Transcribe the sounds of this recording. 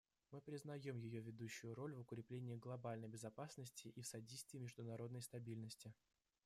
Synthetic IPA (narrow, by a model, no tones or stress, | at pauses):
mɨpɾʲɪznɐjo̞mjɪjo̞vʲɪd̪uɕːʊjʊɾo̞lʲvʊkɾʲɪplʲenʲɪɪɡlˠɐbalʲnəjbʲɪzɐpasnəsʲtʲɪʔifsɐdʲejst̪vʲɪːmʲɪʐd̪ʊnɐɾo̞d̪nəjst̪ɐbʲilʲnəsʲtʲɪ